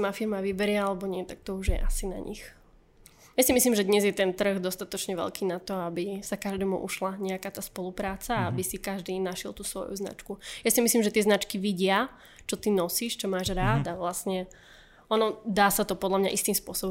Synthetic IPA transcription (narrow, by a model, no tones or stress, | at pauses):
mafiɾmaʋibɛɾɪɛalɛbɔɲɪɛt̪ak̚t̪ɔuʒjɛ̰ʔasina̰ɲḭx | jasimisliːmʒɛd̪ɲɛzjɛt̪ɛnt̪r̩ɣd̪ɔst̪at̪ɔt͡ʃɲɛʋɛ̰lkiːnat̪ɔabisakaʒd̪ɛːmṵʔṵʃlaɲɛakaːt̪aːspɔlupɾaːt͡saabisikaʒd̪iːnaʃɛ̰lˠt̪uːsʋɔ̰jṵzna̰t͡ʃkujasimisliːmʒɛt̪ɪɛznat͡ʃkiʋiɟɪa | t͡ʃɔt̪inɔsiːʃt͡ʃɔmaːʒɾaːd̪aʋlasɲɛ | ɔnɔd̪aːsat̪ɔpɔd̪lamɲaʔist̪iːmspʊɔsɔbɔ